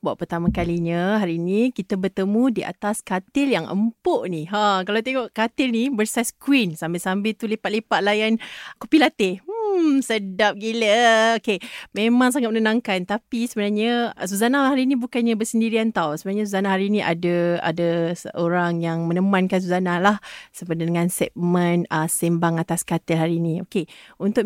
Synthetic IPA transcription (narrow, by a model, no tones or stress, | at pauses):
bua̰ʔpərt̪amakaliɲaɦaɾiːnikit̪abərt̪əmudiʔa̰t̪askat̪ɪljaŋʔə̰mpoʔniɦakalawt̪eŋɔʔkat̪ɪlnibərsaskwinsambɪlsambɪlt̪ulepat̪lepaʔ̪̚lajankupilat̪em̩sədap̚ɡiləokemẽmãŋs̬aŋat̪mənənãŋkant̪apisəbənarɲas̬uzanaɦaɾinĩbukanɲabərsəndiɾiant̪awsəbənaɲas̬uzanaɦaɾinĩʔa̰daa̰dasəʔoɾaŋjaŋmə̃nəmankans̬uzanalahsəpədadəŋãnsɛt̪̚mə̃nəsimbaŋat̪askat̪ɪlɦaɾinĩo̰keunt̪ʊʔ